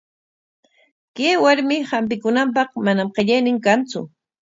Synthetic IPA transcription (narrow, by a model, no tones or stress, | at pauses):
keːwaɾmɪhampɪkʊnamp̬ɑχmanamqeʎajnɪŋkant͡sʊ̰